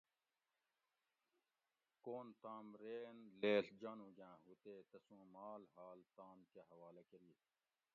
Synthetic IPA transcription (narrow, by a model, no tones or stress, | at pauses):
koːnt̪aːmɾeːnleːɬd͡ʑaːnũːd͡ʑãːɦut̪eːt̪ɐsũːmaːlɦaːlt̪aːmkeɦɐʋaːlekɐɾiː